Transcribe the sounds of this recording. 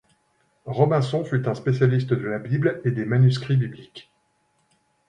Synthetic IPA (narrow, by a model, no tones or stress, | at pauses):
ʁɔmɛ̃sɔ̃fyt̪ɛ̃spesjalist̪əd̪əlabibled̪emanyskχibiblikʲ